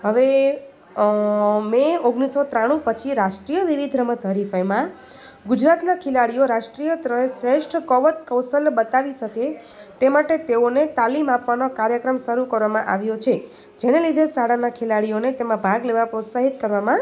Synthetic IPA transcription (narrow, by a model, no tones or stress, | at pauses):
ɦəʋe | meoɡɽ̃isːot̪ɾaɽ̃ũpət͡ʃʰiɾaʃʈɾijəʋiʋid̪ʱɾəmət̪əɾifəjmã | ɡud͡ʒɾat̪nakʰelaɽijoɾaʃʈɾijət̪ɾəesɾeʃʈʰəkɔʋət̪kəwsəlbət̪aʋiʃəke | t̪emaʈet̪eonet̪alimapʋanokaɾjəkɾəmʃəɾukəɾʋamãʔaʋjot͡ʃʰe | d͡ʒenelid̪ʱesaɽanakʰelaɽijonet̪emãbʱaɡleʋapɾot̪saɦit̪̚kəɾʋamã